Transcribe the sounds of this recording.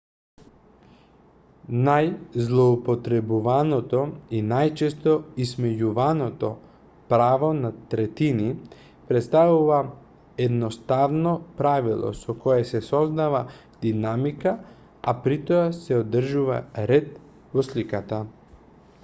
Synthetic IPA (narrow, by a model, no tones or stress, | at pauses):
najzlˠɔupot̪ɾɛbuvanɔt̪ɔinajt͡ʃɛst̪ɔismɛjuvanɔt̪ɔ | pɾavonat̪ɾɛt̪ini | pɾɛt̪st̪avuva | ɛd̪nɔst̪avnɔpɾavilˠɔ̰sɔkɔjɛsɛsɔzd̪ava | d̪̥inamika | apɾit̪oasɛod̪r̩ʒuva̰ɾɛt̪̚ | vɔslikat̪a